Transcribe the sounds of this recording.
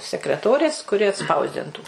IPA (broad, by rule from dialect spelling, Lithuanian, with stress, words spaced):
sʲɛkrʲɛˈtoːrʲeːs kʊˈrʲɪ ɐtˈspɐʊzʲdʲɪntuː